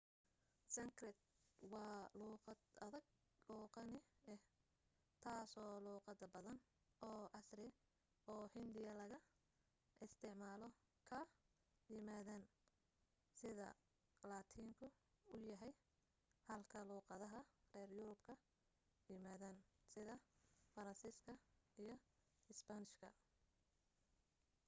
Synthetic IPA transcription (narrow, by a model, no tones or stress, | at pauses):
sɐŋkrɛt̪̚wɑːluːqɑd̪ɐðɐɡ | luːqɑnɪɛ | t̪ʰaːsɔːluːqɑd̪ɐbɐðɐn | ɔːʔɐsrɪ | ɔːhɪnd̪ɪjɐlɐɣɐ | ʔɪst̪ʰɛʕmaːlɔ | kʰɐ | jɪmaːðan | sɪðɐ̰ | laːt̪ʰiːŋkʰʊʊjɐɦɛj | hɐlkʰɐluːqɑðɐɦɐrɛːrjʊɾʊbkʰɐ | jɪmaːðaːnsɪðɐfɐɾɐnsiːskʰɐijɞ | ɪsbɐnɪʃkʰɐ